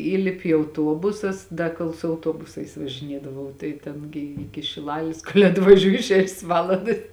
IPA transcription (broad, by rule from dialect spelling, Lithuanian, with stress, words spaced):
ˈiːlʲɪpʲɪ ɪ ɐʊˈtuɔbʊsʊs ˈdɐ koːlˠ sʊ ɐʊˈtuɔbʊsɐɪs ʋɐʒʲɪˈnʲiɛdɐʋɐʊ tɐɪ ˈtʲɛn ɡʲɪ ˈɪkʲɪ ʃʲɪˈlˠɑːlʲɪs koːlʲ ɐtʋɐˈʒʲuːjɪ ˈʃʲæːʃʲeːs ˈʋɑːlˠɐndɐs